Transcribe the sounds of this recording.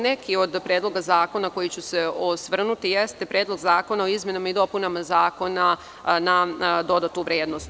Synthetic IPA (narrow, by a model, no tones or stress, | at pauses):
ne̞kio̞d̪pɾeːd̪lˠo̞ɡazaːko̞nako̞jit͡ɕuseosʋr̩nut̪ijest̪e̞pɾjeːd̪lˠo̞ɡzaːko̞nao̞izmjenamaid̪o̞punamazaːko̞na | nad̪o̞d̪at̪uʋɾjeːd̪nost̪